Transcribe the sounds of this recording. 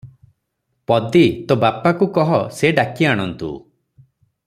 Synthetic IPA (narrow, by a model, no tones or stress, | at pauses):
pɔd̪it̪obapakukɔɦɔseɖakiaɽ̃ɔnt̪ṵ